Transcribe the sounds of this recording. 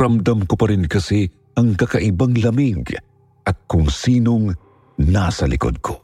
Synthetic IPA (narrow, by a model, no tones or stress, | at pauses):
ɾɐmd̪amkopɐɾɪnkɐsi | ʔɐŋkɐkaʔɪbaŋlɐmiɡ | ʔɐt̪̚kʊŋsiːnoŋ | nasɐlɪ̰ko̰d̪̚kʰo